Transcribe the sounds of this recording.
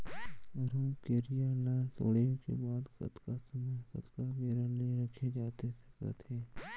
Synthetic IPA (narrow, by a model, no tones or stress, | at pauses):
ɐɾũːkeːɾijalaːɾso̰ːɽeõkḛbaːd̪kɐ̰t̪kasəməjkɐ̰t̪kabeːɾəleɾɐkʰed͡ʒaːt̪et̪ʰe̥kə̰t̪ʰeː